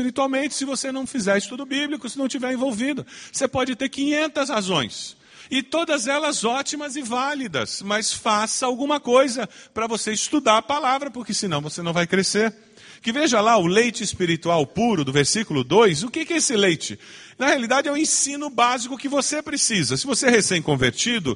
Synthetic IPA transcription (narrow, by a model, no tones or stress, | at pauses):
iɾit̪uawmẽnt͡ʃɪ̥sɪvosenɐ̃w̃fizɛɾɪst̪ud̪ʊbiblikʊsɪnɐ̃w̃t͡ʃivɛɾẽvowvid̪ʊsepɔd͡ʒɪt̪eɾkĩɲẽnt̪ɐshazõj̃s | ɪt̪od̪ɐzɛlɐzɔt͡ʃimɐzɪvalid̪ɐ̰smɐsfasɐawɡũmɐkojzɐpɾɐvoseɪst̪ud̪aɾpalavɾɐpʊɾkɪsɪnɐ̃w̃vosenɐ̃w̃vajkɾeseɾ | kɪveʒɐlaʊlejt͡ʃɪːspiɾit̪uawpuɾʊd̪ʊveɾsikʊlʊd̪ojsʊkɪkɛesɪlejt͡ʃɪ | nɐhealid̪ad͡ʒɪɛũẽsĩnʊbazikʊkɪvosepɾesizɐsɪvosehesẽj̃kõveɾt͡ʃid̪ʊ̰